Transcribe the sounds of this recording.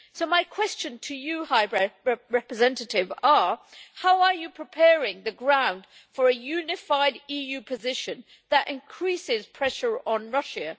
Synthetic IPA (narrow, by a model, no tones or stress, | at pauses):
soʊmaɪkʰw̥ɛst͡ʃɨ̃ntʰɨjɨhaɪɹɛɹɛɹɛpɹɨzɛ̃ntətɪvəhaʊəjɨpʰɹ̥ɪpʰɛːɹɪ̃ŋðɨɡɹãʊ̃nd̥ | fə˞ɨjʉnɪfaɪdiːjʉpʰɨzɪʃɨ̃n | ðəɾʔɪ̰̃nkʰɹ̥isɪz̥pʰɹ̥ɛʃə˞ə̃nɹʌʃə